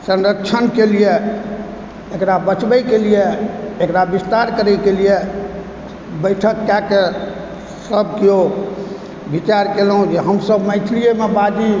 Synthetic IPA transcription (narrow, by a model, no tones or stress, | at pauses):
sə̃nɾək̚t͡ʃʰənkelije | ekɾabət͡ʃbəjkelijeekɾabist̪aɾkəɾɛjkelije | bəɪʈʰəkːake | səb̚ʱkeo | bʱit͡ʃaɾkelɦũd͡ʒeɦəmsəbmət̪ʰilijemebad̪i